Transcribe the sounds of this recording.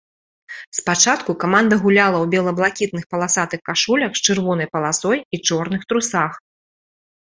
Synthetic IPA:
spat͡ʂat̪kukamand̪ɐɣulʲalˠɐwbʲɛlˠɐblˠakʲit̪̚nɨxpɐlˠasat̪ɨxkaʂulʲɐxt͡ʂɨrvɔnɐjpɐlˠasɔjit͡ʂɔrnɨxt̪ɾusax

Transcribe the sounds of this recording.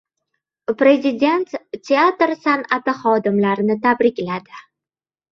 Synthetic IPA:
pɾʲe̞zɪd̪ʲe̞nt̪ːʲe̞at̪ɾsanat̪ɪχɒd̪ɪmlaɾnɪt̪ʰabɾɪkʲlad̪ɪ

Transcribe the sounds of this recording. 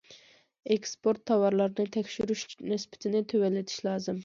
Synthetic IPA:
ekspoɾt̪ʰːɑwɑɾlˠɑɾnɨt̪ʰɛkʲʃyɾyʃnɨspʰɪ̥t̪ʰɪnɪt̪ʰøwɛlːɪt̪ʰi̥ʃlˠɑːzɨm

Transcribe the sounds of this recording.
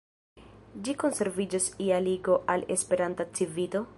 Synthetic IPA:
d͡ʒiko̞nse̞ɾvid͡ʒosialiɡo̞ʔale̞̰spe̞ɾantat͡sivilo̞

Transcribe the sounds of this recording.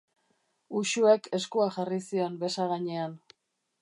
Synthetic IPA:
uʃue̞kʰe̞skuaxarisio̞mbe̞saɣaɲe̞an

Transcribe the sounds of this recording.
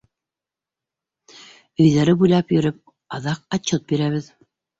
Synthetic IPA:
ɵ̆jðæɾɘbujlˠɑpjɵ̆ɾɘp̚ | ɑðɑq̚ɑt͡ɕːɤt̪̚biɾæβɘð

